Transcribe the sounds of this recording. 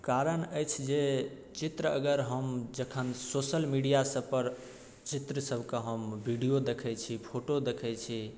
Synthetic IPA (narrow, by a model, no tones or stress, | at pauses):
kaɾənəjt͡ʃʰd͡ʒe | t͡ʃit̪ɾəəɡəɾɦəmd͡ʒəkʰənsosəlmiɖijasəbpəɾ | t͡ʃit̪ɾəsəbʱkeɦəmbʱiɖijod̪ekʰɛt͡ʃʰipʰoʈod̪ekʰɛt͡ʃʰi